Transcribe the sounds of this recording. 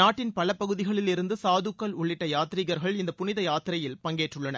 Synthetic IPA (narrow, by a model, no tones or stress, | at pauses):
naːʈːɪnpɐlɐpɐɣɯðɪɣɐɭɪlɪɾɯnd̪ɯsaːðɯkːɐlʊɭːɪʈːɐjaːt̪ɪɾiɣɐɾɣɐɭɪnd̪ɐpʊnɪðɐjaːt̪ɪɾɐjɪlpɐŋɡeːʈrɯɭːɐnɐ